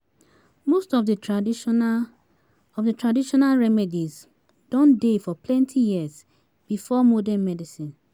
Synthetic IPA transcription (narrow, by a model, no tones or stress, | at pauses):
mostɔvdə | ɔvdətʰɹadiʃɔnalɹɛmɛdiz | d̥ɔ̃ndefɔpʰlɛ̃ntʰijiəz | b̥ifɔmɔdɛnmɛdisĩn